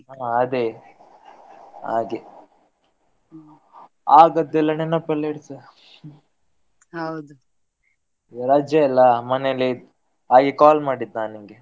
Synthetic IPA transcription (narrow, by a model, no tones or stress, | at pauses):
aɐd̪e | a̰ːɡi | aːɡɐd̪ɛlːɐnenːɐpɐlːeɽsɐ | hɐwd̪u | ɾaːd͡ʒjɐɛlːɐmɐnelːi | aːɡikaːlmaːɽid̪naːniŋɡe